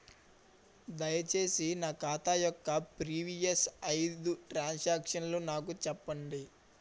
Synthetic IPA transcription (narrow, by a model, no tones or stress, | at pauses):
d̪ɐjɐt͡ʃe̞ːsinaːkaːt̪aːjɔkːɐpɾiːʋijɐsɐjd̪uʈɾaːnsaːkʂɐnlunaːkut͡ʃɛpːɐɳɖi